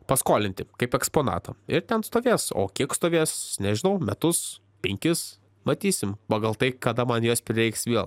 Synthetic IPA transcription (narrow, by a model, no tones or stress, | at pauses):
pɐskoːlʲɪnʲt̪ʲɪkɐɪpɛkspoːnɑ̰ːt̪ɐ̰ɪɾt̪ʲɛnst̪oːʋʲeːso̰ːkʲiɛkst̪oːʋʲeːsnʲɛʒʲɪnɐʊmʲɛt̪ʊs | pʲɛŋʲkʲɪs | mɐt̪ʲiːsʲɪmpɑɡɐlˠt̪ɐɪkɐd̪ɐmɐnjoːspʲɾʲɪɾɛɪksʋʲeɛlˠ